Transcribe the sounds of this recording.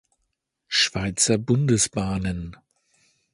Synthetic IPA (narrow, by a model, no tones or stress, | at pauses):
ʃv̥aɪt͡sɐbʊndəsb̥aːnən